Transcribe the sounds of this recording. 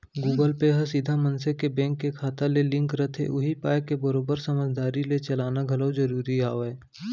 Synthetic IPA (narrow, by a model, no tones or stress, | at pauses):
ɡuːɡəlpeɦəsid̪ʱamə̃nsekebɛ̃ːŋkːekʰaːt̪alelɪ̃ŋkɾət̪ʰḛʔʊɦipaːjkebəɾoːbəɾsəməd͡ʒd̪aːɾilet͡ʃɐlaːnaɡʱɐləwzəɾuːɾiaːoɛː